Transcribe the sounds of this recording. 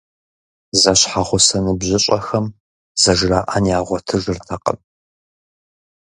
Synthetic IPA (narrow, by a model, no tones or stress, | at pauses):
zɐɕħaʁʷʊsɐnɨbʑɪɕʼɐxɐm | zɐʒraːʔɐnjaːʁʷɔtʰɨʒɨrtʰɐqʼə̰m